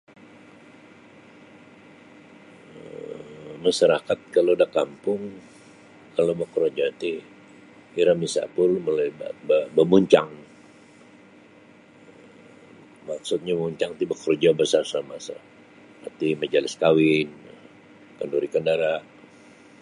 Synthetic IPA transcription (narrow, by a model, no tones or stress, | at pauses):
maʃaɾakat̪̚kalodakampʊŋ | kalobəkəɾd͡ʒat̪i | iɾamisa̰pʊlmolajbabəbəmuɲt͡ʃaŋ | maksʊt̪̚ɲaəmuɲt͡ʃaŋt̪ibəkərd͡ʒabəsarsamasa̰ | a̰t̪imad͡ʒalɪskawɪn | kənduɾikəndaɾaʔ